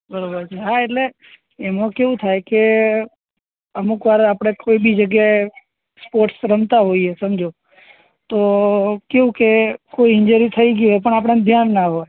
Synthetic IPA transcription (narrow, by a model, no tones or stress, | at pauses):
bəɾobəɾt͡ʃʰeɦaeʈleː | mãkeũt̪ʰajke | əmukʋaɾapɽ̃ekoibid͡ʒəɡjae | spoɾʈsɾəmt̪aɦoiesəmd͡ʒo | t̪okeʋũkekoiɪɲd͡ʒuɾit̪ʰəiɡjuɦepəɳap̬ɽ̃and̪ʱjanːaɦoj